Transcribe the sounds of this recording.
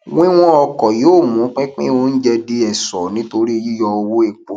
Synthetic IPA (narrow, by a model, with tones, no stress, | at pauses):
wĩ˦w̃ɔ̃˦ɔ˧kɔ˨jo˨˦˨mũ˨˦k͡pɛ˦k͡pḭ̃˦o˧˦n̩˦d͡ʒɛ˧de˦ɛ˨sɔ˨nĩ˨˦to˧ɾi˦ji˦jɔ˧o˧wo˦e˨k͡po˨